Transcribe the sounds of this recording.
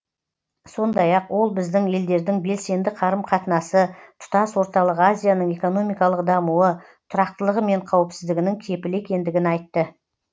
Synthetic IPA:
so̞nd̪ɑjɑqwo̞lˠbɪzd̪ɪŋe̞ld̪e̞ɾd̪ɪŋbe̞lse̞nd̪ɪqʰɑɾəmqʰɑt̪ənɑsət̪ʰʊ̥t̪ɑswo̞ɾt̪ɑlˠəqazʲijanəŋe̞ko̞no̞mijkɑlˠəqd̪ɑmuə | t̪ʰʊɾɑqt̪əlˠəʁəme̞ɴqʰɑwəpsɪzd̪ɪɡʲɪnɪŋkʲʰe̞pɪle̞kʲe̞nd̪ɪɡʲɪnɑjt̪ːə

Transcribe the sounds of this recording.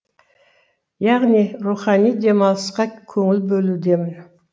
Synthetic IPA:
jɑʁniɾuχɑnijd̪ʲe̞mɑsqɑkʲʰɵŋɪlbɵlud̪emɪn

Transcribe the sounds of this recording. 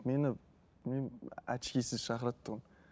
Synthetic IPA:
me̞nɪ | menæ̰t̪ʃkʲesɪzʃɑχɾɑt̪ːʊʁən

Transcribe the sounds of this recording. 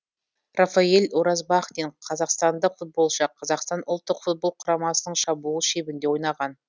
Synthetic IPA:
rafɑelʲoɾɑzbɑχt̪eɴqʰɑzɑqst̪ɑnd̪əqfut̪̚bo̞lˠʃəqʰɑzɑqst̪ɑnʔʊlˠt̪ːəqfut̪̚bo̞lˠqʰʊɾɑmɑsənəɴʃɑbulˠʃe̞bɪnd̪ewo̞jnɑʁɑn

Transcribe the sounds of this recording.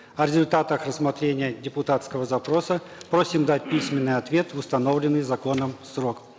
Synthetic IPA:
ɐɾʲɪzʊlʲt̪at̪əxrəsmɐt̪ɾʲenʲɪjədʲɪpʊt̪at̪skəvəzɐpɾo̞səpɾosʲɪmd̪atʲpʲisʲmʲɪnːɨjɐt̪vʲe̞t̪ʊst̪ɐno̞vlʲɪnːɨjzɐko̞nəmsrok

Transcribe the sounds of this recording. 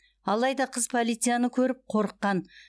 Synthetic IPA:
ɑlˠɑjd̪ɑqʰəzpʰolˠijt̪sɨjanəkʲʰɵɾɪp̚qʰo̞ɾəqːɑn

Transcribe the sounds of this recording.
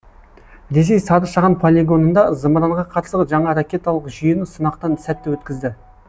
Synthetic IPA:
d̪es̬e̞jsɑɾəʃɑʁɑnpʰolʲeɡo̞nənd̪ɑzəmɾɑɴʁɑqʰɑt̪səəʒɑɴɑɾakʲe̞t̪ɑlˠəqʒijɪnɪsənɑqt̪ɑnsæt̪ːɪwɵt̪kʲɪzd̪ɪ

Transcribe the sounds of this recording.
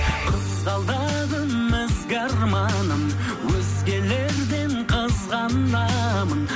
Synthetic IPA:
qʰəzqɑlˠd̪ɑd̪əmːɪzɡɑɾmɑnəm | wɵzɡʲe̞le̞ɾd̪e̞ɴqʰəzʁɑnd̪ɑmən

